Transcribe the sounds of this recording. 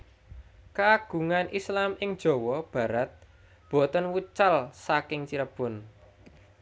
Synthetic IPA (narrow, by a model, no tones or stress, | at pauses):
kaɡ̥ṳŋanʔislamɪŋd̥ʒ̥ɔ̤wɔb̥ä̤ɾat̪̚ | b̥ɔ̤t̪ənwut͡ʃalsakɪŋt͡ʃiɾəb̥ʊ̤n